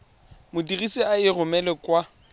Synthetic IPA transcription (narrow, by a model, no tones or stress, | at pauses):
mʊdiɣisiaɪrʊmɛlɛkwa